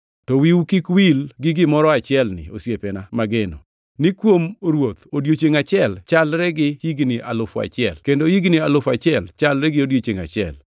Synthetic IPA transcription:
tɔwiwukikwilɡɪɡɪmɔɾɔat͡ʃɪɛlnɪ̰o̰sjepɛnamaɡeno̰ | nɪkwomɾwot̪odjot͡ʃeŋat͡ʃɪɛlt͡ʃalɾɛɡɪhiɡnɪʔalʊfa̰t͡ʃɪɛlkendoiɡnɪalʊfat͡ʃɪɛlt͡ʃalɾɛɡɪodjot͡ʃeŋa̰t͡ʃɪɛ̰l

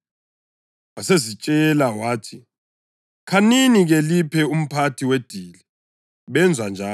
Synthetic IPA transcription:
wasezit͡ʃʼɛlawaːtʰi | kʰaniniɣelipʰɛum̩pʰatʰiwed̥ʱiːli | βɛnd͡zʱwand͡ʒʱaː

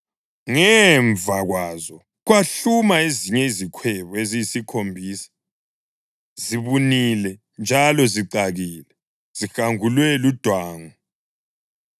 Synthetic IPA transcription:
ŋɛɱvʱaɣwaːzɔ | ɣwaɬumaeziɲɛizikʰwɛβɔezijisikʰombʱiːsi̥ | ziβunilɛ | nd͡ʒʱalɔziǀaɣiːlɛ | z̥ixaŋulwɛlud̥ʱwaːŋɔ

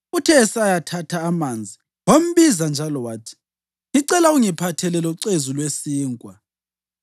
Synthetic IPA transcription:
utʰɛːsajatʰatʰaːmand͡zʱi | wom̩βizand͡ʒʱalɔwaːtʰi̥ | iǀɛlauŋipʰatʰɛlɛlɔǀezulwesiːŋkʼwa

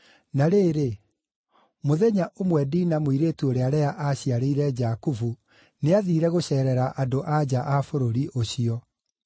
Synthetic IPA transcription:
naɾeːɾe | moðɛɲaʔomwɛdiːnamwiɾeːtuoɾeaɾɛaʔaɕiaɾeiɾɛd͡ʒakufu | neaðiːɾɛɣoɕɛːɾɛɾaʔadoʔad͡ʑaʔafoɾoɾiʔoɕiɔ

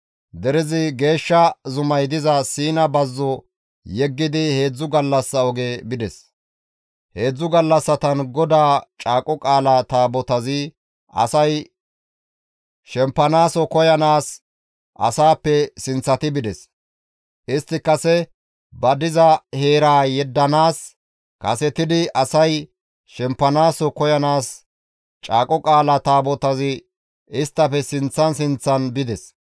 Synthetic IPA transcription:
d̪ɛɾɪzɪɡe̞ːʃːɐzʊmɐjd̪ɪzɐsiːnɐbɐzːɔ | jɛɡːɪd̪ɪhe̞ːd͡zːʊɡɐlːɐsːɐɔɡebɪd̪ɛs | he̞ːd͡zːʊɡɐlːɐsːɐt̪ɐnɡɔd̪aːt͡ʃʼaːkʼɔkʼaːlat̪aːbɔt̪ɐzɪ | ʔɐ̰sɐj | ʃɛmpːɐnaːsɔkɔjɐnaːs | ʔɐ̰saːpːɛsɪnt͡sːɐt̪ɪbɪd̪ɛs | ʔɪst̪ːɪkːɐsɛ | bɐd̪ɪzɐhe̞ːɾaːjɛd̪ːɐnaːs | kɐsɛt̪ɪd̪ɪɐsɐj | ʃɛmpːɐnaːsɔkɔjɐnaːs | t͡ʃʼaːkʼɔkʼaːlɐt̪aːbɔt̪ɐzɪ | ɪst̪ːɐpɛsɪnt͡sːɐnsɪnt͡sːɐnbɪd̪ɛs

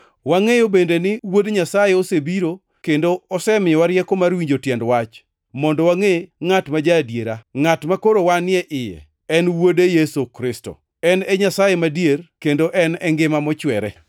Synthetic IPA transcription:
waŋejobendenɪwodɲasajeosebiɾo | kendoɔsɛmɪɔwaɾjɛkɔmarwiɲd͡ʒotjɛndwat͡ʃ | mɔndɔwaŋeŋatmad͡ʒadjeɾaŋatmakoɾowanɪɛʔɪjɛ̰ | ɛnwodejesokɾɪsto̰ | ɛnɛɲasajemadjerkendoʔɛnɛŋɡɪmamɔt͡ʃwɛɾɛ̰

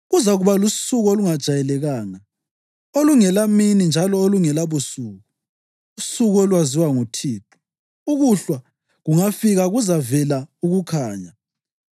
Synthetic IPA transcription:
ɣuzaɣuβalusuɣɔluŋad̥ʒ̥ʱajɛlɛɣaːŋa | oluŋɛlaminind͡ʒʱalɔoluŋɛlaβusuːɣu | usuɣɔlwaziwaŋutʰiːtʰʼu̥ | uɣuɬwa | ɣuŋafiɣaɣuzavɛlauɣukʰaːɲa

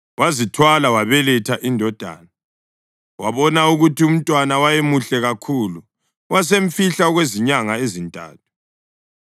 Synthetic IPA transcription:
wazitʰwalawaβɛlɛtʰaʔindʱɔd̥ʱa̰ːna | waβɔnauɣutium̩tʼwanawajemuɬɛɣakʰulu | was̬eɱ̩fiɬaɔɣweziɲaŋaezintʼa̰ːtʰu̥

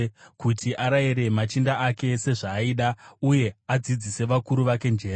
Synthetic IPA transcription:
kutʰiʔaɾaiɾe̞mat͡ʃindaʔake̞se̞ʐaːiːɗauje̞ad͡zid͡zise̞ʋakuɾuʋake̞nd͡ʒe̞ːra

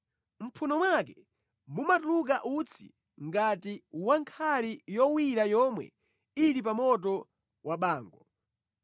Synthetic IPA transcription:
m̩pʰunɔmwakɛ | mumatuluk̬aʔut͡sʰḭ | ŋɡatiwaŋkʰalijɔwiɾajɔmwɛ̰ | ilip̬amɔt̬ɔ | waɓaːŋɡɔ

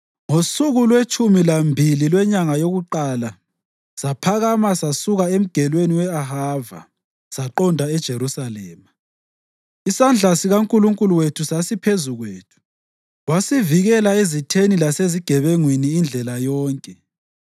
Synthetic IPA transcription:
ŋosuɣulwet͡ʃʼumilambʱililwɛɲaŋajoɣuǃaːla | sapʰaɣamasasuɣaem̩ɡ̥ʱɛlweniwɛaɦava̰ | saǃɔndʱaɛd̥ʒ̥ʱeɾusalɛːma | isand͡ɮʱasiɣaŋkʼuluŋkʼuluwetʰusasipʰezuɣweːtʰu̥ | wasiviɣɛlaezitʰenilaseziɡ̥ʱɛβeŋwiniːnd͡ɮʱɛlajɔːŋkʼɛ

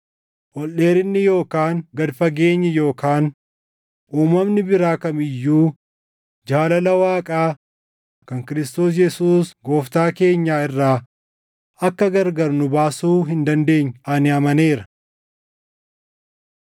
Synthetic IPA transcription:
ʔɔlʔeːɾɪnːɪjo̞ːkaːŋɡɐd̪fɐɡe̞ːɲːɪjo̞ːkaːn | ʔuːmɐmnɪbɪɾaːkɐmɪjːuː | d͡ʒaːlɐlɐwaːkʼaː | kɐŋkɪɾɪst̪o̞ːs̬jɛsuːsɡo̞ːft̪aːke̞ːɲːaːɪrːaː | ɐkːɐɡɐɾɡɐɾnʊbaːsuːɦɪnd̪ɐnd̪e̞ːɲːʔɐnɪɐmɐne̞ːɾɐ

